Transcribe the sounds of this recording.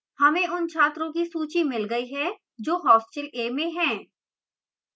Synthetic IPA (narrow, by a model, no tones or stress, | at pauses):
hɐmẽʔʊnt͡ʃʰaːt̪ɾõkisuːt͡ʃimɪlɡɐiɦɛ̃ː | d͡ʒoːɦɔːsʈəleːmẽɦɛ̃ː